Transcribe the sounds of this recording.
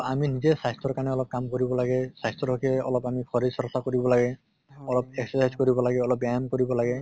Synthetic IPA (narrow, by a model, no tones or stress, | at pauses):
aminizesajstɔɹkanɛɔlɔp̚kamkoɾibɔlaɡɛsajstɔɾɔkʰeɛɔ̰lɔpamikʰɔɾizsɔɾsakoɾibɔlaɡɛ | ɔlɔpeksɔsajzkoɾibɔlaɡɛɔlɔp̚bjajamkoɾibɔlaɡɛ